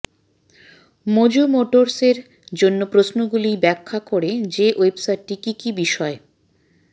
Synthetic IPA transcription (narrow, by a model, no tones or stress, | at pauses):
mod͡ʑomoʈoɾseɾ | d͡ʑonːopɾosnoɡulibɛkʰːakoɾed͡ʑeʔoebsajʈːikikibiʃɔe